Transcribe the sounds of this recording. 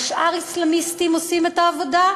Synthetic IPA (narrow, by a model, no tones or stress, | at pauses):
ʃʔaʁislamist̪imosimet̪aːvo̞d̪a